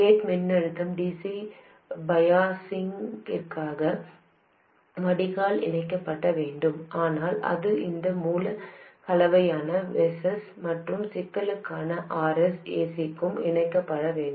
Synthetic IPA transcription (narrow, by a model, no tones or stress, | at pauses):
eːʈmɪnːɐɻɯt̪ːɐmɖiːsi | bɐjaːsɪŋɪrkaːɣɐ | ʋɐɽɪɣaːlɪ̰nɐɪkːɐpːɐʈːɐʋeːɳɖɯmʔaːnaːlɐ̰ðɯɪnd̪ɐmuːlɐkɐlɐʋɐjaːnɐʋɛsɐs | mɐʈrɯmsɪt̪ːɐlɯkːaːnɐʔaːɾɛseːsɪkːɯmɪ̰ɳɐɪkːɐpːɐɽɐʋeːɳɖɯ